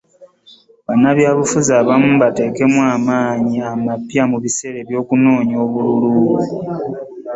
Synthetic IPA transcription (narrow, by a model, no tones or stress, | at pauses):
βanaβjaːβufuzaːβamuβate̞ːke̞mwaːmaːɲiamapjamuβise̞ɾe̞βjo̞ːkuno̞ːɲo̞ːβululuːβu